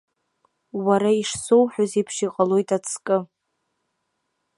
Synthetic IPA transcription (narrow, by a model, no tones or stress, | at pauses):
waɾaiʂsowħᶣozepʰʂiqʼalo̞jtʼat͡sʰkʼɨ